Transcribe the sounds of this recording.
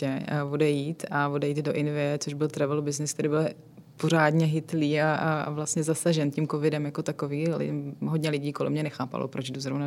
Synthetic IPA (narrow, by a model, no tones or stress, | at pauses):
ɛvodɛjiːt̪avodɛjiːd̪do̞ʔɪnvɪjɛt͡soʒbɪlt̪ɾɛvɛlubɪznɪskt̪ɛɾɪbɪl | po̞ɾ̝aːdɲɛɦɪt̪liːaa̰vlastɲɛzasaʒɛncimko̞vɪdɛmjako̞t̪akoviːlɪ̰ɦo̞dɲɛlɪɟiːkolɛ̰mɲɛnɛxaːpa̰lʔo̰pɾot͡ʃduzɾovna